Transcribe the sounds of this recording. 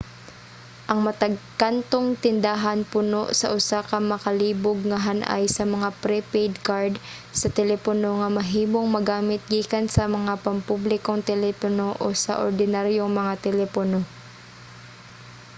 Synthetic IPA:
ʔɐŋmɐt̪ɐɡ̚kant̪oŋt̪ɪnd̪aːɦanpʊnoʔsɐ̰ʔʊsakɐŋmɐkɐliːboɡ̚ŋɐɦanʔa̰jsɐmɐŋapɾɛpɛjd̪kaɹd̪ | sɐt̪ɛlɛpono̞ŋɐmɐɦiːmoŋmɐɡaːmɪt̪̚ɡiːkɐnsɐmɐŋapɐmpublɪkoŋt̪ɛlɛpono̞ʔosɐ̰ʔoɾd̪ɪnaɾjoŋmɐŋat̪ɛlɛpono

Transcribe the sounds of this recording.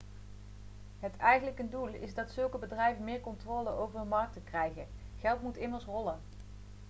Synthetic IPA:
ɦətʰɛjχənləkəndulˠɪ̰zdɑtsɵlˠkəbədrɛjvənmɪːɹkɔntroːləʔowvəɹdəmɑɹk̚təkrɛjχə | χɛlˠtmutɪməɹsrɔlən

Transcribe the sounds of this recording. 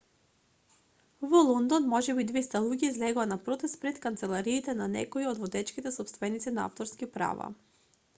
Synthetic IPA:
vɔlˠɔnd̪onmɔʒɛbid̪vɛst̪alˠuɡʲizlɛɡɔanapɾɔt̪ɛst̪̚pɾɛt̪kant̪sɛlˠaɾiːt̪ɛnanɛ̰koiod̪vod̪ɛt͡ʃkit̪ɛsɔpst̪vɛnit̪sinaa̰ft̪oɾskipɾa̰va̰

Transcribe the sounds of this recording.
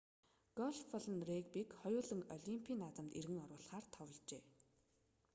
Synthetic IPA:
ɡ̥ɔɮfʰɔɮə̆nrekpikχɔjʊːɮə̆ŋɔɮʲimpʰiːnːat̪ə̆mt̪erɣɘ̆ŋɔɾwʊːɮχaːrt̪ʰɔwɞ̆ɮt͡ɕeː

